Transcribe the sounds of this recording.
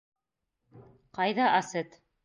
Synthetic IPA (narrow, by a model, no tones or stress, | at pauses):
qɑjðɑʔɑsɘt̪